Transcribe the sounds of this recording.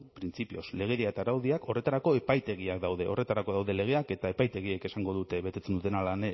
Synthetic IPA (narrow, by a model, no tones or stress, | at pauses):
pɾint͡sipio̞sle̞ɣ̞eɾiaet̪aɾawðiako̞re̞t̪aɾako̞e̞pajt̪e̞ɣ̞iakd̪awðe̞o̞̰re̞t̪aɾako̞ðawðe̞le̞ɣ̞e̞ake̞t̪ae̞pajt̪e̞ɣ̞ieke̞saŋɡo̞ðut̪e̞βe̞t̪e̞t͡se̞nd̪ut̪e̞nalan